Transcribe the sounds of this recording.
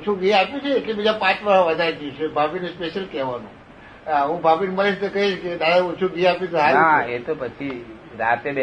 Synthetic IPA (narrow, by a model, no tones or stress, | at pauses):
ot͡ʃʰũɡiapjũt͡ʃʰeːʈlebid͡ʒapãt͡ʃʋəɦʋəd̪ʱaɾɡut͡ʃʰebʱapinespeʃəlkɛʋanṵ̃ | ɦũbʱapinməɾiʃt̪okəɦiʃked̪ad̪aot͡ʃʰuɡiapjũɦaaet̪opət͡ʃʰi | ɾat̪eb